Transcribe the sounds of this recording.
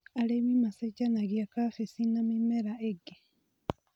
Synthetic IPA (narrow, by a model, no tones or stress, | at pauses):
alemimaseɟanaɡijakaːfesinamimːeɾaʔeɡːe